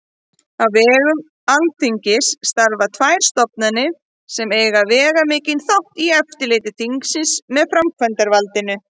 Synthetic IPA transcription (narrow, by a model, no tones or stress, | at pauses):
avːɛːɣʏm | alt̪ʰiɲcɪsːt̪aɾvat̪ʰvajɾ̥st̪ɔpnanːɪ | sɛmeːjɣavɛːɣamɪːcɪnθawht̪iɛft̪ɪleːjt̪ɪt̪ʰiŋksɪsmɛðfɾamkʰvɛnt̪aɾvalt̪ɪnʏ